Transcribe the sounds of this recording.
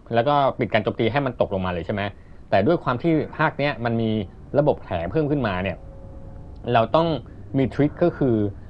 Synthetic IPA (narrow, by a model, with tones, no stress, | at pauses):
lɛː˦˥wkɔː˥˩pi˨˩t̪̚kaː˧nt͡ɕoː˧˩mt̪iː˧ɦa˥˩jma˧nt̪o˨˩k̚lo˧ŋmaː˧lɤː˧t͡ɕʰa˥˩ma˦˥ | t̪ɛː˨˩du˥˩əjkʰwaː˧mt̪ʰiː˥˩pʰaː˥˩k̚ni˦˥ɐma˧nmiː˧ | ɾa˧bo˨˩p̚kʰɛː˩˦pʰɤː˥˩˨mkʰɯ˥˩nmaː˧ni˥˩ɐ | ɾa˧wt̪ɔ˥˩ŋ | miː˧t̪ʰwi˦˥t̪̚kɔ˥˩kʰɯː˧